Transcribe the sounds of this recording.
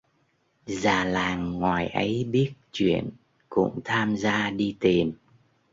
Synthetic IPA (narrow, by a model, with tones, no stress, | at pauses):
zaː˨˩laː˨˩ŋːwaː˨˩jʔə˨˦jɓi˦˥ət̚t͡ɕwḭ˧˨ən | kʊ̰˧˥ŋ͡mt̪ʰaː˧mzaː˧ɗi˧t̪i˨˩n